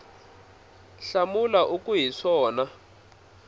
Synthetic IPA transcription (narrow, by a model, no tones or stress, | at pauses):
ɬamulaʔukʼuɦiʂɔːna